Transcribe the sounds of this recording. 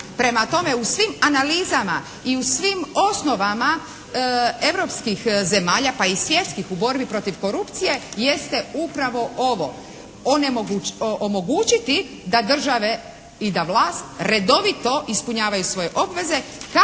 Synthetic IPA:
pɾe̞mat̪o̞me̞usʋimanaliːzama | iusʋimo̞sno̞ʋama | e̞ʋɾo̞pskixze̞maːʎapaisʋje̞t̪skixubo̞ɾbipɾo̞t̪iʋko̞ɾupt̪sije̞je̞st̪e̞upɾaʋo̞oʋo̞̰ | onemoʔomo̞ɡuːt͡ʃit̪i | d̪ad̪r̩ʒaʋe̞ | id̪aʋlaːst̪ɾe̞d̪o̞ʋit̪o̞ʔispuɲaːʋajusʋo̞je̞ʔo̞bʋe̞ze̞ka

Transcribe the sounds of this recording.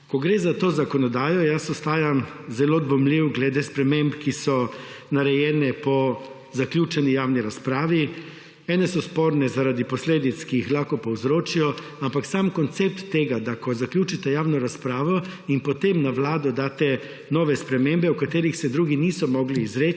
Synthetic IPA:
kɔɡɾeːzat̪oːzakɔnɔd̪aːjɔjasɔst̪aːjam | zɛlod̪bɔmliwɡlɛd̪espɾɛmẽmbkisɔnaɾɛjɛːnɛpɔ | zaklʲjuːt͡ʃɛnijaːwniɾaspɾaːʋi | ɛːnɛsɔspoːɾnɛzaɾad̪ipɔsleːd̪it̪skijixlaxkɔpɔwzɾoːt͡ʃijɔ | ampaksamkɔnt̪sep̚t̪ːeːɡad̪akɔzaklʲjuːt͡ʃit̪ɛjaːwnɔɾaspɾaːʋɔinpɔt̪emnaʋlaːd̪ɔd̪aːt̪ɛ | nɔːʋɛspɾɛmembɛukat̪eːɾixsɛd̪ɾuːɡinisɔmɔɡliːzɾe

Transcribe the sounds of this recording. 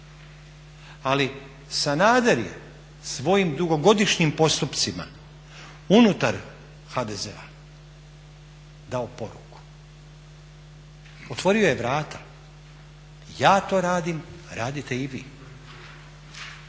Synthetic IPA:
ali | sanaːd̪eɾjḛ | sʋo̞jimd̪uɡo̞ɡo̞d̪iʃɲimpo̞st̪upt̪sima̰ | unut̪aɾ | xad̪ezḛa̰ | d̪aopo̞ɾṵku̥ | o̞t̪ʋo̞ɾio̞je̞ʋɾaːt̪ʰḁ | jaːt̪o̞ːɾaːd̪imɾaːd̪it̪e̞iʋḭː

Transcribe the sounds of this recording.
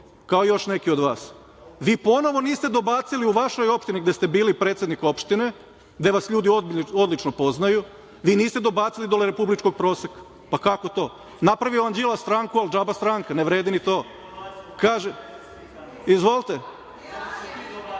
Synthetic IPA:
kaojo̞ʃne̞kiod̪ʋaːs | ʋiːpo̞no̞ʋo̞niːst̪ed̪o̞baːt̪siliuʋaʃo̞jo̞pʃt̪iniɡd̪est̪e̞biːlipɾet̪se̞d̪niko̞pʃt̪ine | d̪eʋasʎuːd̪ioo̞d̪lit͡ʃnopo̞znaju | ʋiːniːst̪ed̪o̞baːt̪silid̪oleɾe̞publit͡ʃko̞ɡ̚pɾo̞ːsekḁ | pakako̞t̪o̞ː | napɾaʋioand͡ʒilˠast̪ɾaːŋkuald͡ʒabast̪ɾaŋkaneʋɾeːd̪init̪oː | kaːʒe | izʋo̞lˠt̪e

